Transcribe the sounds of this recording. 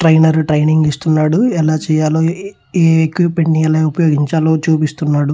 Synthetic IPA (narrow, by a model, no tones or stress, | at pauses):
ʈɾɐjnɐɾuʈɾejniŋɡist̪unːaːɽuɛlaːt͡ʃɛːjaːloː | eːekʋipːeɳʈiɐlɐjupɐjo̞ːɡiɲt͡ʃaːloːt͡ʃuːpist̪unːaːɽu